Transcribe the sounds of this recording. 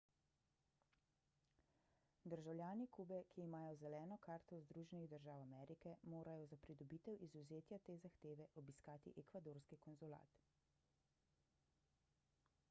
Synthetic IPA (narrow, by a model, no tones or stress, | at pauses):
d̪əɾʒawljaːnikubɛkʰiːmaːjɔzɛlɛːnɔkaːɾt̪ɔzd̪ɾuʒɛniɣd̪əɾʒaːwamɛɾikɛmoːɾajɔzapɾid̪ɔbiːt̪ɛwʔizuzeːt̪jat̪eːzaxt̪eːʋɛʔɔbiskaːt̪ḭʔɛkʋad̪oːɾskikɔnzula̰ːt̪